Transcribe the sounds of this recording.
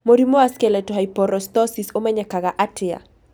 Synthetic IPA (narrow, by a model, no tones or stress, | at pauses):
moɾimoaskɛlɛtɔɦajpɔɾɔst̪ɔsisomɛɲɛkaɣaʔatʰɪa̰